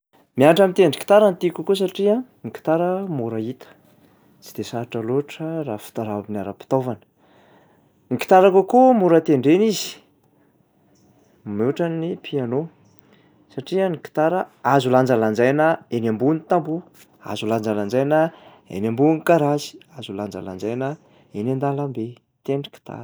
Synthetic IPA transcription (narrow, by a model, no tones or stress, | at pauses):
miaʈ͡ʂamit̪eɳɖ͡ʐi̥ki̥t̪aɾant̪ikukus̬aʈ͡ʂiəniki̥t̪aɾəmuɾait̪ə̥ | t͡sʰi̥d̪esaaʈ͡ʂaloʈ͡ʂərafi̥t̪aɾainaɾapi̥t̪ovanə̥ | niki̥t̪aɾakokumuɾət̪eɳɖ͡ʐenizi̥ | meʈ͡ʂanipʰiano | saʈ͡ʂiəniki̥t̪aɾəazuland͡zaland͡zajnəenʲambunit̪ambu | a̰zuland͡zaland͡zajnə | ḛnʲambunkaɾazi̥azuland͡za̰la̰nd͡zajnə | enand̪alambe | t̪eɳɖ͡ʐi̥ki̥t̪a̰ɾ